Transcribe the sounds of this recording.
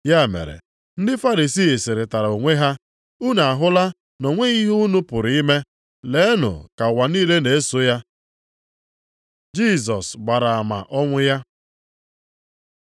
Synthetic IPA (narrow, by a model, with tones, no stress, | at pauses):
ja˦˨mḛ˨ɾḛ˨ | n̩˦dɪ˦fa˦ɾi˨siː˦˨sɪ˨ɾɪ˨ta˨ɾa˨o˨ŋʷe˦ɦa˦ | u˦na˨a˨ɦʊ˦la˦ | nɔ˨ŋʷe˦i˦ɦu˦nʊ˦pʊ˨ɾi˦me˦ | le˨˦nʊ̰˨ka˨wa˨niː˦le˦ne˨e˦so˦ja˦ | d͡ʒi˦˨s̬ɔ˨sɡ͡ba˨ɾa˨a˨ma̰˨ʔɔ˦ŋʷʊ˦ja˦